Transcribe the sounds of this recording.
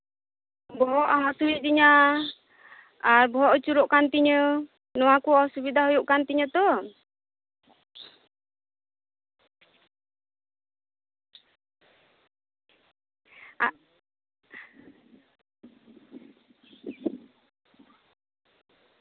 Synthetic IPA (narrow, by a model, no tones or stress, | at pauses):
bɔɦɔʔaɦasuwiʔdiɲa | abɔɦɔʔɔt͡ʃuɾɔʔkant̪iɲə | nɔakuasubid̪aɦɔjuʔkant̪iɲət̪ɔ | a